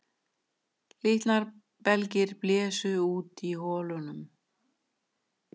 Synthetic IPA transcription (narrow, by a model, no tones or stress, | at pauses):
lɪht̪naɾ | pɛlcɪɾplɛːsʏuːt̪ihɔːlʏnʏm